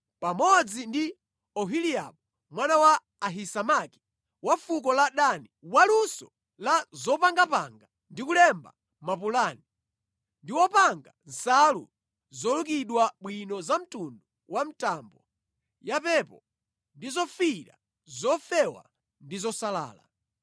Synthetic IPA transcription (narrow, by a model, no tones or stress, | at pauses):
pamɔd͡zindi | ɔɦilija̰ɓɔ | mwanawaː | ɦisamaki̥ | wafuk̬ɔlaɗaniwalusɔ | lazɔpaŋɡapa̰ŋɡa | ndikulɛmba̰ | mapulani | ndiwɔpaŋɡansalṵ | zɔlukiɗwaɓwinɔzam̩tundu | wam̩tambɔ | japɛpɔ | ndizɔfiɾa̰ | zɔfɛwa̰ | ndizɔsala̰ːla̰